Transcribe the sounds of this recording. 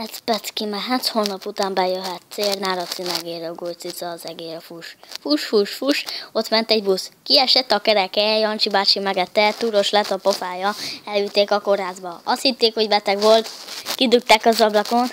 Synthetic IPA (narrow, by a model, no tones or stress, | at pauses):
ɛt̪spɛt̪skimɛɦat̪hoːnɒput̪aːmbɛjøɦɛt̪seːrnaːɾɒt̪sinɛɡeːɾøɡolt̪sisɒzɛɡeːɾfuʃfuʃfuʃfuʃo̞t̪mɛnt̪ɛɟbuskiɛʃɛt̪ːɒkɛɾɛkɛɛjɒnt͡ʃibaːt͡ʃimɛɡɛt̪ːɛt̪uːɾo̞ʃlɛt̪ɒpofaːjɒɛlyːt̪ːeːkɒko̞rɦaːzbɒɒst̪hit̪ːeːkho̞ɟbɛt̪ɛɡʋo̞lt̪kid̪ut̪ːaːkɒzɒblɒkon